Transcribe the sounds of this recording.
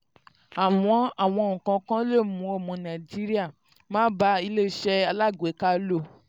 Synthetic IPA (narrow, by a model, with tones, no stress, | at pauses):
a˨w̃ɔ̃˧a˨w̃ɔ̃˧˦o˨ũ˨kã˧kã˦le˦˨mũ˨˦o˦˨mɔ̃˨˧nã˨d͡ʒi˦ɾi˦a˦˨ | mãː˦ba˧˦i˧le˦˨ʃɛ˦a˧la˦˨ɡʷe˨˦ka˦lo˦˨